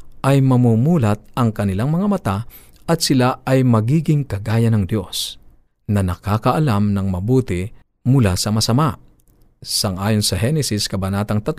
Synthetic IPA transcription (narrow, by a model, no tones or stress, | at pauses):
ʔɐjmɐmumuːlɐt̪̚ɐŋkɐnɪlaŋmɐŋamɐt̪a | ʔɐt̪sɪlaɐjmɐɡiːɡɪŋkɐɡaːjɐnɐŋd̪jo̞s | nɐnɐkaːkɐʔɐlamnɐŋmɐbuːt̪ɪ | mʊlasɐmɐsɐma | sɐŋʔaːjonsɐɦɛnɛsɪskɐbɐnaːt̪ɐŋt̪ɐt̪